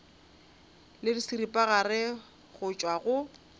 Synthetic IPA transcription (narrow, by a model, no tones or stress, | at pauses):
lɪdisiripʼaɣarɪ | ɣʊt͡ʃʼwaɣʊ